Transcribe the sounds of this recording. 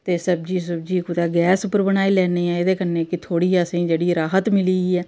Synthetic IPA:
t̪eːsəbd͡ʒiːs̬əbd͡ʒiːkʊd̪aːɡɛːsʊpəɾbəñaːiːlɛːneːɛ̃ːɪd̪eːkəneːkɪt̪ʰoːɽiːəsĩːd͡ʒeːɽiːɾaːɦət̪mɪliːɛː

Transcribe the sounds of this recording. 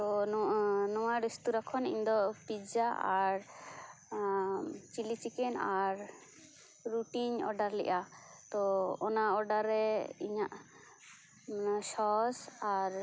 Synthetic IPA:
t̪ɔ | nɔwaɾist̪uɾakʰɔnḭɲd̪ɔpid͡ʒaʔaɾ | t͡ʃilit͡ʃikɛnaɾ | ɾuʈiɲɔ̰ɖaɾlɛ̰ʔa | t̪ɔːnaɔɖaɾːɛiɲaʔ | sɔsaɾ

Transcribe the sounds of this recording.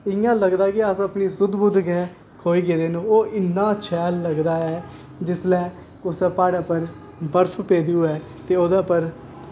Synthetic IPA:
ɪjãːləɡd̪aːkɪəsəpniːsʊd̪bʊd̪ɡɛ̃ː | kʰoːiːɡeːd̪eːnũːoːʔɪnːãːt͡ʃʰɛːlːəɡd̪aːɛː | d͡ʒɪslɛː | kʊsɛːpaːɽaːpəɾ | bəɾpʰpeːd̪iuːɛː | t̪eːoːd̪ãːpəɾ

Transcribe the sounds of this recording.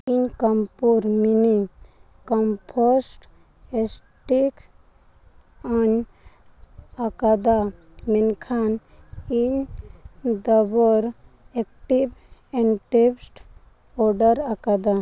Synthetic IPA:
iɲkəmpuɾmini | kɔmpʰɔsʈ | es | ʈik | an | akad̪a | menkʰan | iɲ | d̪ɔbɔɾ | ekʈibɛ̃ɳʈepsʈ | ɔɾɖəɾakad̪a

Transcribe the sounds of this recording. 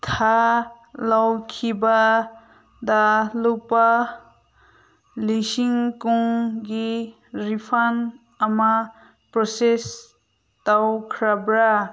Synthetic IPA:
t̪ʰa | lawkʰiba | d̪alupa | lisiŋkuŋɡi | ɾipʰan | ama | pɾɔses | t̪awkʰɾabɾa

